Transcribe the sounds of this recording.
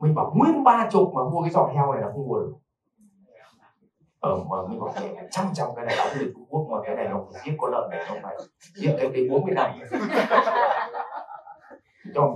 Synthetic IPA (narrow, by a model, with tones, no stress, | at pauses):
mï̟˨˩ɓaː˨˩wmi˧ənɓaː˧t͡ɕʊ˨˩k͡p̚maː˨˩mu˧kaː˨˦jzɔ̰˧˨t̚hɛ˧wha˨˩laː˨˩xə˧wŋ͡mmu˨˩j | ʔəː˧˩mʔəː˨˩mi˨ŋ̟ɓaː˨˩mɛ̰˧˩a˨˩t͡ɕa˦˥ŋt͡ɕɔ˧˩wŋ͡mkaː˨˦na˨˩jɗaː˨˦zɨ˨˩ət͡ɕʊ˧ŋ͡mku˦˥ək̚mɔ˨˩kaː˨˦na˨˩jnɔ˨˧˦fa˧˩zi˦˥əp̚kɔ˨˦lə̰ː˧˨na˨˩˨ə˧wŋ͡mna˨˩jzi˦˥ət̚t̪e˨˦ɗe˨˦ɓu˨˦nm˨˧˨ə˨na˧˩m˧˦˧ | t͡ɕɔ˧˩